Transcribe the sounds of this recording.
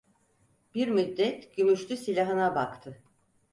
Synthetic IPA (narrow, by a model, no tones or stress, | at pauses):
b̥iɾmyd̪ːɛt̪ɟymyʃlʲysilʲaɦɯnabakt̪ʰɯ